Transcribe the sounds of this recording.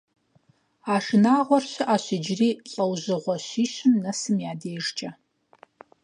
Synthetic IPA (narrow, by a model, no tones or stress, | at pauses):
aːʂɨnaːʁʷɔrɕɪʔaːɕɪd͡ʒriːɬʼɐwʑɨʁʷɔɕiːɕɪmnɐsɨmjaːdeːʐt͡ʃʼɐ